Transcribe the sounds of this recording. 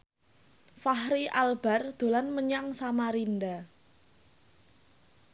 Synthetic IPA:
fahɾiʔalb̥a̤rd̪̥o̤lanməɲaŋsamaɾind̪a

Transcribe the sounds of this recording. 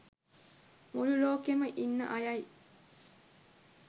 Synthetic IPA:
mululoːkemɐʔinːɐ̰ʔɐjɐj

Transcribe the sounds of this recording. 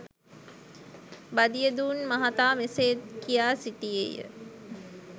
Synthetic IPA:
bad̪ijəd̪uːnmaɦat̪aːmeseːt̪kijaːsiʈijḛjə̰

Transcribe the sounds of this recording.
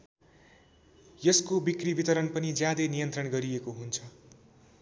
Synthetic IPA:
jʌskobikribit̪ʌɾʌnpʌnid͡zjad̪enijʌnt̪rʌnɡʌɾiekoɦunt͡sʰʌ

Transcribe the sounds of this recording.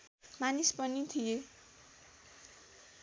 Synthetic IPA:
manispʌnit̪ʰije

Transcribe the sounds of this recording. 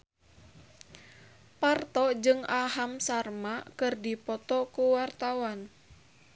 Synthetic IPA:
part̪ɔd͡ʒɨŋaɦamsarmakɨrdipɔt̪ɔkuwart̪awan

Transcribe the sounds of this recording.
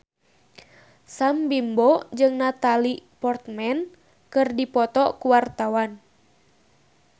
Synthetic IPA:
sambimbɔd͡ʒɨŋnat̪alipɔrt̪mɛn | kɨrdipɔt̪ɔkuwart̪awan

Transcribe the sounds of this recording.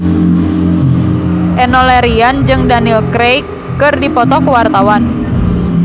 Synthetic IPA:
ʔɛnɔlɛɾiand͡ʒɨŋdanilkɾejkː | ɨrdipɔt̪ɔkuwart̪awan

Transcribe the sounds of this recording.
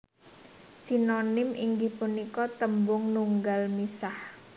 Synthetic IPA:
sinonɪmiŋɡɪhpunikɔt̪əmbʊŋnuŋɡalmisah

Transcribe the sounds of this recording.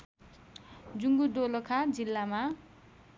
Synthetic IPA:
d͡zuŋɡud̪olʌkʰad͡zilːama

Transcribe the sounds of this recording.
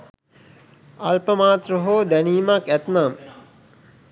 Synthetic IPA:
ɐlpəmaːt̪roɦoːd̪æniːmakæt̪nam

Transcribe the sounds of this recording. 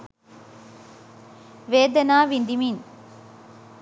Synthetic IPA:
ʋeːd̪ɐnaːʋind̪imin

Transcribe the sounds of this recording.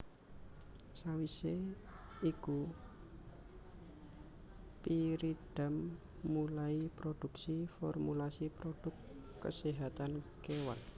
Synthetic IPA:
sawise | iku | piɾid̥a̤mː | ulaipɾoɖ̪̥ṳksifɔ̰rmulasipɾoɖ̥ʊ̤kː | ə̰siɦat̪ankewa̰n

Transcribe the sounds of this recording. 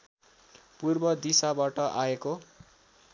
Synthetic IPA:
purbʌd̪isabaʈʌʔaeko

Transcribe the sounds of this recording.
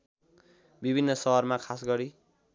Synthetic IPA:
bibʱinːʌsʌɦʌrmakʰasɡʌɾi

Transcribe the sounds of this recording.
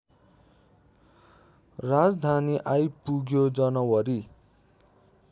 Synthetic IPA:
rad͡zd̪ʱaniʔajpuɡjod͡zʌnʌwʌɾi

